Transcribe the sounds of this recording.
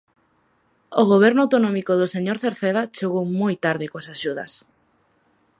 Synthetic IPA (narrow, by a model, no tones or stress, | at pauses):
oɣoβ̞ɛɾnʊawt̪onõmikoðoseɲoɾθeɾθeðat͡ʃeɣowmojt̪aɾðɪkoasaʃuðɐ̰s